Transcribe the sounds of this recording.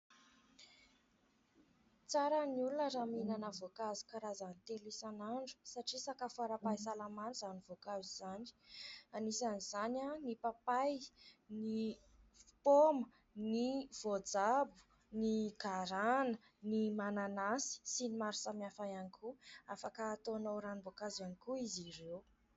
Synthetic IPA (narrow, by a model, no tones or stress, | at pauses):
t͡saɾaniulunəɾaminanəvokazi̥kaɾazanit̪elesanaɳɖ͡ʐu̥saʈ͡ʂisakafuaɾapajis̬alamanuzanivokaziz̥ani̥anisaniz̥ananipapajni | pomə | niv̥od͡zabu̥ | niɡaɾanə | nimananasi̥sinimaɾusamiafajanikʰuafakəːt̪onowɾanivokazanikuiziɾew